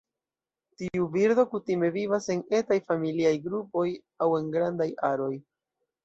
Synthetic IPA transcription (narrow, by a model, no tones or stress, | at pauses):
tiubiɾdo̞kutime̞vivase̞ne̞tajfamiliajɡɾupo̞j | awe̞nɡɾandajaɾo̞j